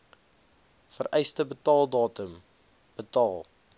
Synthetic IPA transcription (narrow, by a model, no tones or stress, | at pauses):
fəɾʔɛjstəbətɑːlˠdɑːtəm | b̥ətɑːlˠ